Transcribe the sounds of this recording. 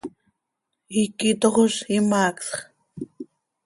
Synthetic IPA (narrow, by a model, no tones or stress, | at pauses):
ikit̪oχoʃimaːksχ